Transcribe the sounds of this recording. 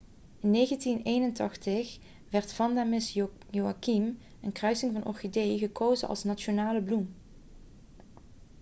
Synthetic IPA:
ɪnːejɣəntinejnəntɑχtəx | ʋɛɹtfɑndamɪs | joakim | ənkrœɥsɪŋvɑnʔɔ̰rxedejɣəkʰowzənʔɑ̰lˠsnat͡ʃonaːləblum

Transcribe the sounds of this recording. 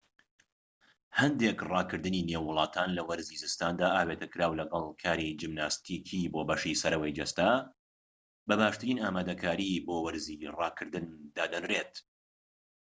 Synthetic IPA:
hɐnd̪eːkrˤɑːkɨɾd̪ɨninewːʊlˠɑːt̪ʰaːnlɐwɐɾziːzɨst̪aːnd̪aːʔaːbet̪ɐkɨɾaːwlɐɡɐlˠkʰaːɾid͡ʒimnaːst̪ʰikʰiboːbɐʃisɐɾɐwɐjd͡ʒɐst̪aː | bɐbaːʃt̪ɨɾiːnaːmaːd̪ɐkʰaːɾiboːwɐɾzirɑːkʰɨɾd̪ɨnd̪aːd̪ɐnret̪

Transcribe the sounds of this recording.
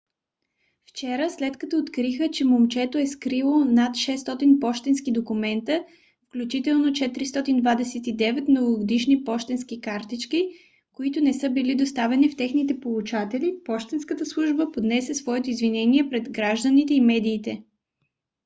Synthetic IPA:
ft͡ʃɛɾəslɛt̪kɐt̪ɔːt̪kɾixət͡ʃɛmomt͡ʃɛt̪oɛskɾilˠonat̪ʃɛst̪ɔt̪inpɔʃt̪ɛnskid̪okumɛnt̪ə | fklʲut͡ʃit̪ɛlˠnot͡ʃɛt̪ɾist̪ɔt̪ind̪vad̪ɛsɛt̪id̪ɛvɛt̪mnoɡoɡod̪iʃnipɔʃt̪ɛnskikaɾt̪it͡ʃki | koit̪ʊnɛsɤbilid̪ost̪avɛnift̪ɛxnit̪ɛpolˠut͡ʃat̪ɛlipɔʃt̪ɛnskət̪əslˠuʒbəpod̪nɛsʲɛsvɔɛt̪oizvinɛniɛpɾɛd̪ɡɾaʒd̪ənit̪ɛimɛd̪iːt̪ɛ

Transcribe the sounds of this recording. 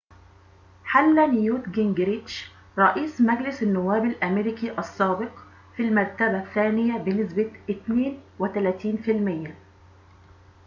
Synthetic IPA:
ħalːænjuːt̪ɡɪŋɡɾiʃ | ɾˤɑʔiːsmæɡlɪsanːʊwːæːbɪlʔæmeɾɪkiʔɑsˤːɑːbɪq | filmæɾt̪abæθːæːnɪjæbɪnɪsbaʔɪt̪neːnwɪt̪ælæːt̪iːnfɪlmɪjːæ

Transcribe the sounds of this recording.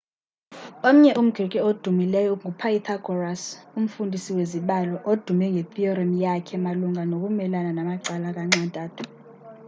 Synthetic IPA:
om̩ɲɛʔum̩ɡ̥ʱrikʼɛod̥ʱumilɛjɔŋɡʱupʰait̪ʰaɡ̥ʱɔrasum̩fundʱisiweziɓalɔʔod̥ʱumɛŋɡʱet̪ʰʼiɔramjakʰɛmaluŋʱanok̬ʼumɛlananamaǀalak̬ʼaŋ͡ǀantʼaːtʰu̥

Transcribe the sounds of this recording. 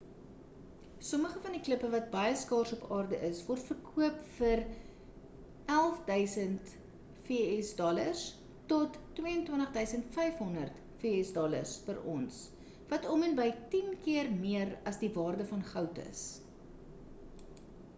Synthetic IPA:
sɔməχəfɐndikləpəvɐt̚bɐjəskɑːrsɔpɑːrdəʔəsvɔrtfərkʰuəpfər | ælˠfdœɥsənt | fiəɛsdɔlərs | tɔtːwiəəntwəntəχdœɥsəntfɛjfɦɔndərt | fiəɛsdɔlə̰rspərɔns | vɐtɔmənbəjtinkiərmiərɐsdivɑːrdəfɐnχœwtə̰s

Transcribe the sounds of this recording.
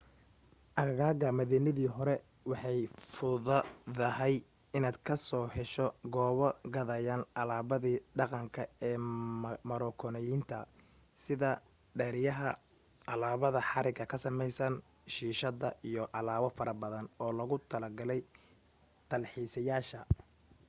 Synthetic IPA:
ʔɐɣaːɣɐmɐðiːnɐðiːɦɔɾɛ | wɑħɑjfʊðɐðɐhɛj | ɪnaːd̪kʰɐsɔːħɛʃɔɡɔːβɔɡɐðɐjaːnʔɑlaːβɐðiːɖɑqɑŋkʰɐɛːmɐɾɔːkʰɔnɛjint̪ʰɐ̰ | sɪðɐ | ɖɛːɾɪjɐɦɐ | ɑlaːβɐðɐħɑɾɪɡɐkʰɐsɐmɛjsɐn | ʃiːʃɐðɐʔijɔʔɑlaːwɐfɐɾɐbɐðɐnɔːlɐɣʊt̪ʰɐlɐɡɐlɛj | t̪ʰɐlħiːsɐjaːʃɐ

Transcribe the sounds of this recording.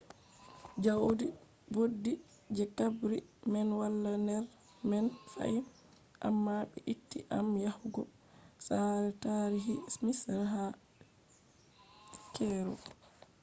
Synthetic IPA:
d͡ʒawdi | bodːi | d͡ʒɛkabɾimɛnwalːandɛɾ | mɛnfa̰i | ʔa̰mːaɓɛ̰ʔitːiʔamjahɡɔ | saɾɛtaɾiɦismisɾɦa | kɛɾɔ̰

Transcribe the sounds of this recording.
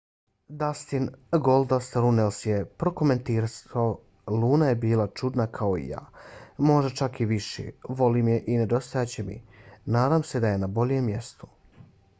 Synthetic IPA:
d̪ast̪inɡolˠd̪ast̪ɾunelsje̞pɾo̞kome̞nt̪iːɾasa | luːnaje̞biːlˠat͡ʃud̪nakʰao̞ḭja̰ːmo̞ʒd̪at͡ʃakiʋiʃḛʋo̞limjeʔine̞d̪o̞st̪ojat͡ɕe̞mḭnaːd̪amse̞d̪aje̞nabo̞ʎje̞mːje̞st̪u̥

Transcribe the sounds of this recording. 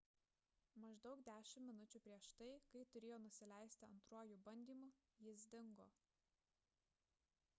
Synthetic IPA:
mɐʒd̪ɒʊkd̪ʲæːʃʲɪmːʲɪnʊt͡ʃʲʊpʲɾʲiɛʃt̪ɐɪkɐɪt̪ʊɾʲeːjoːnʊsʲɪlʲæˑɪsʲt̪ʲɪɐ̰nt̪ɾuɔjubɐnʲd̪ʲiːmʊ | jɪs̬d̪ʲɪŋɡoː

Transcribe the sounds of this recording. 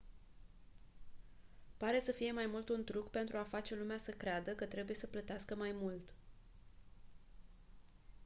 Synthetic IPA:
paɾe̞səfije̞majmult̪unt̪ɾukpe̞nt̪ɾuafat͡ʃe̞lumeasəkɾead̪əkət̪ɾe̞buje̞səplət̪easkəmajmult̪

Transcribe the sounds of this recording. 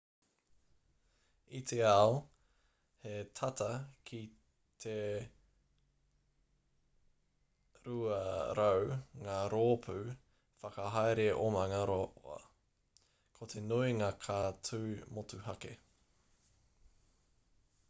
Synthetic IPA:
it̪ʰeao | het̪ʰɐt̪ʰɐkʰi | t̪ʰe | ɾuɐɾowŋaːɾoːpʰʉ | fɐkɐɦajɾeʔomɐŋɐɾoʔɐ̰ | kʰot̪ʰenuiŋaːkʰaːtʰʉːmotuhɐke

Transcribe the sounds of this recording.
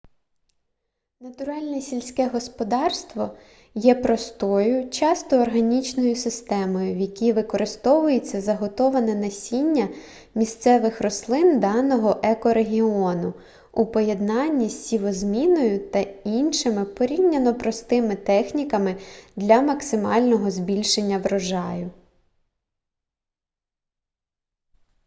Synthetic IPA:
nɐt̪ʊɾɑlʲnɛsʲilʲsʲkɛɦɔspɔd̪ɑrst̪ʋɔ | jɛpɾɔst̪ɔjʊt͡ʃɑst̪ɔːrɦɐnʲit͡ʃnɔjʊsɪst̪ɛmɔjʊjɐkʲiʋɪkɔɾɪst̪ɔʋʊjet͡sʲːɐzɐɦɔt̪ɔʋɐnɛnɐsʲinʲːɐ | mʲist̪sɛʋɪxɾɔslˠɪnd̪ɑnɔɦɔʔɛkɔɾeɦʲiɔnʊ | upɔje̞d̪nɑnʲːisʲsʲiʋɔzmʲinɔjʊt̪ɐinʃɪmɪpɔɾʲiwnʲɐnɔpɾɔst̪ɪmɪt̪ɛxnʲikɐmɪd̪lʲɐmɐksɪmɑ̰lʲnɔɦɔzbʲilʲʃenʲːɐʋɾɔʒɑjʊ

